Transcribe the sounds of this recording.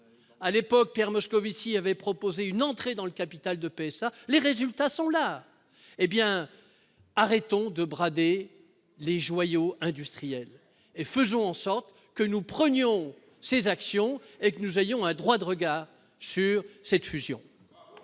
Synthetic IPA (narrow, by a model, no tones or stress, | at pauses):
alepɔk̚pjɛʁmɔskɔvisiavɛpχɔpozeynɑ̃t̪χed̪ɑ̃ləkapit̪ald̪əpeɛsaleʁezylt̪asɔ̃la | ebjɛ̃ | aʁɛt̪ɔ̃d̪əbʁad̪e | leʒwajoɛ̃d̪yst̪χijɛl | efəzɔ̃ɑ̃sɔʁt̪ | kənupχənjɔ̃ | sezaksjɔ̃ekənuzejɔ̃ɛ̃d̪ʁwad̪əʁəɡaːʁ | syʁsɛt̪fyzjɔ̰̃